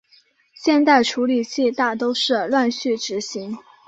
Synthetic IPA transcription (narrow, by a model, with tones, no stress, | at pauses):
ɕjɛ˥˧nt̪a˥˩ɪʈ͡ʂʰu˧˥li˨˩t͡ɕʰi˥˧t̪a˥˩t̪o˥ʊʂɻ̩˥˧lwa˥˧nɕy˥˩ʈ͡ʂɻ̩˧˥ɕi˧˥ŋ